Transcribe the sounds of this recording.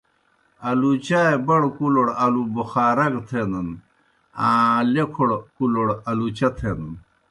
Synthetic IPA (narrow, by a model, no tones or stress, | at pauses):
ɐlut͡ɕaebɐɽkuloɽɐlubuxaːɾɐɡt̪ʰenɐn | ãlekʰoɽkuloɽɐlut͡ɕɐt̪ʰenɐn